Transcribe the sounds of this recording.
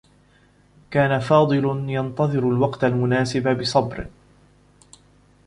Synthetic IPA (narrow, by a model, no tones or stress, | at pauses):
kaːnafɑːd̪ˤɨljɑnt̪ɑðˤɨɾʊlwɑqt̪almʊnaːsɪbabɪsˤɑbɾ